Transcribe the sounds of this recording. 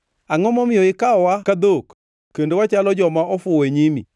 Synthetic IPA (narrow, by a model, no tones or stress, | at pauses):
aŋɔmɔmɪoɪkaɔwakaðok | kːendewat͡ʃalɔd͡ʒɔmaʔɔfʊwɛɲimḭ